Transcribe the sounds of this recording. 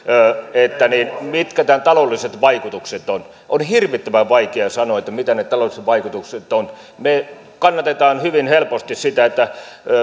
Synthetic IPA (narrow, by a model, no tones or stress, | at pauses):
øːet̪ːæniːnmit̪kæt̪ænt̪ɑlolːiset̪ʋɑikut̪ukset̪on | ʔonhirʋit̪ːømæʋʋɑikeɑsɑnoet̪ːæmit̪ænet̪ɑlolˑiset̪ʋɑikut̪ukset̪ˑon | me | kɑnːɑt̪et̪ɑːnhyʋinhelpost̪issit̪æet̪ːæ